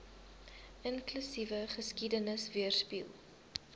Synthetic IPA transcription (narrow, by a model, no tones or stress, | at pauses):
ʔənklysivəχəskidənəsviərspḭlˠ